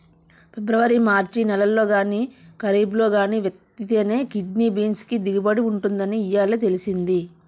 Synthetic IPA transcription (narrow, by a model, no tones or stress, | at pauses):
pɛbɾɐʋɐɾimaːɾt͡ʃinɛlɐlːo̞ːɡaːniːkɐɾiːblo̞ːɡaːniːʋjɐt̪ːit̪eːne̞ːkiɖniːbiːnskid̪iɡibɐɽiuɳʈund̪ɐniːjaːleːt̪̬e̞lisind̪i